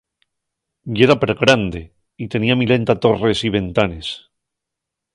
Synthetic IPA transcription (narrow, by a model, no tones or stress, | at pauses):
je̞ɾapeɾɣɾand̪e̞ | it̪e̞niamile̞nt̪at̪o̞re̞siβ̞e̞nt̪ane̞s